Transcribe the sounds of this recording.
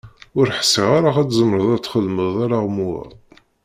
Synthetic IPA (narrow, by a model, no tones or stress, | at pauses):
ʊɾħə̥siʁaɾaʁæt͡szəmɾəðˤæt͡sːχəlməðˤaɾaʁmuæ̰ˤ